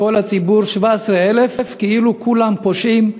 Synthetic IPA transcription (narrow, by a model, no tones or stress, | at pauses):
ko̞lat͡sibuʁʃvaesʁeelefefkeilukulampoʃim